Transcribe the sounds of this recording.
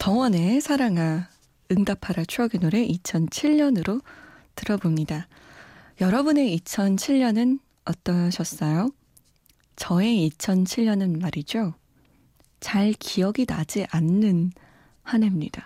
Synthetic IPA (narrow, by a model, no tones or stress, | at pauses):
tʌwʌne̞sʰaɾaŋa | ɯŋdapʰaɾat͡ɕʰuʌɡinoɾe̞ʔit͡ɕʰʌnt͡ɕʰiʎɲʌnɯɾotɯɾʌbomɲida | jʌɾʌbune̞it͡ɕʰʌnt͡ɕʰiʎɲʌnɯn | ʌt͈ʌɕʰʌs͈ʌjo | t͡ɕʌe̞it͡ɕʰʌnt͡ɕʰiɭɲʌnɯnmaɾid͡ʑo | t͡ɕaɭkiʌɡinad͡ʑiʔanːɯn | hanemɲida